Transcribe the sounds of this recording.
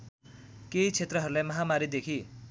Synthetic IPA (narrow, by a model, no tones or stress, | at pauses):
kejt͡sʰet̪rʌɦʌɾulajmʌɦamaɾid̪ekʰi